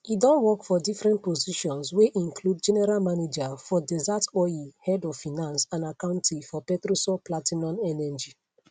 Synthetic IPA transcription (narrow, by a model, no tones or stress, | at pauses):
idɔ̃nwɔkfɔdifɹɛ̃nt̚pɔziʃɔ̃nsweʔĩŋkʰlud̚d͡ʒɛnɛɾalmaned͡ʒafɔdɛzatɔihɛdɔvfinãnsãnakãʊ̃ntʰifɔpɛtɹosɔplatinɔ̃nɛnɛd͡ʒi